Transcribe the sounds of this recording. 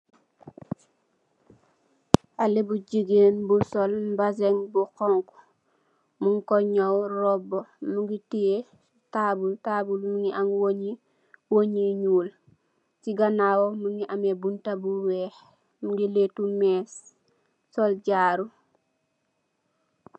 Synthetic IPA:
ʔalebuɟiɡeːnbusɔlbazeŋbukɔŋku | muŋkɔɲowrɔbomuŋɡitije | tabultabulmuŋiʔaŋwoɲi | woɲiɲuːl | siɡanawomuŋɡiʔamebuntabuwɛːh | muŋɡiletumɛːs | sɔlɟaːɾu

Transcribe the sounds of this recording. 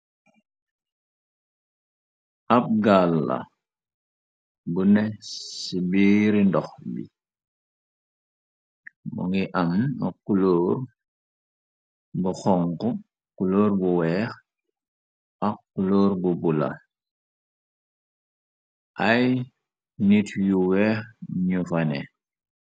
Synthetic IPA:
ap̚ɡalːa̰ | bunɛsibiɾindɔxbḭ | mṵŋiʔamakːuloːɾ | buxɔŋkɔ | kuloːɾbuwɛːx | ʔakːuloːɾbubula̰ | ʔaj | nitjuwɛːxɲufanɛ̰

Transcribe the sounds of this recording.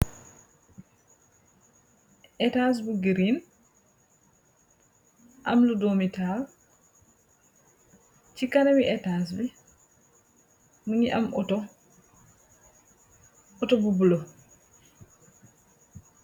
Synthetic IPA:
ʔɛtas̬buɡiɾin | ʔamludomital | t͡ʃikanɛwiʔɛtas̬bi | muɲiʔa̰mɔ | ɔtɔbubulɔ

